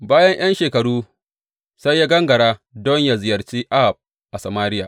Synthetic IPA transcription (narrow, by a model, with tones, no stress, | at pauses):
baː˦jɐ˦ɲj̰ɐ˦nʃeː˨kɐ˨ɽuː˦ | sa˦jːaː˦ɡɐ˦ŋɡɐ˨ɽaː˦dɔ˦ɲja˨zɪ˨jɐ˨rt͡ʃiː˦ʔa˦˨p̚ | ʔa˨sa˨maː˦lɪ˦jaː˨